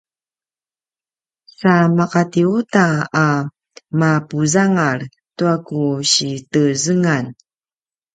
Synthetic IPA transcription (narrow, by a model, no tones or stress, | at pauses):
samaqatiutaa | mapuzaŋar | tuakuɕitəzəŋan